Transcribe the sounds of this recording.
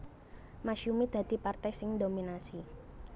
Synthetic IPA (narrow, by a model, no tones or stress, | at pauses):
maʃumid̪̥ä̤d̪̥i̤part̪ajsɪŋd̪ominasi